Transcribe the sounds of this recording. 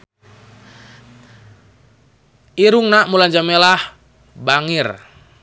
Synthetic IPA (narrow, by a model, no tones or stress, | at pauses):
ʔiɾuŋnaʔmulaɲd͡ʒamɛlah | baŋir